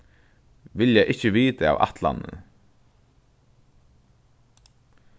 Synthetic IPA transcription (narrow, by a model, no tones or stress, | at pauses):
ʋɪljaʔɪhcːəʋiːt̪aa̰ːva̰t̪la̰nːə̰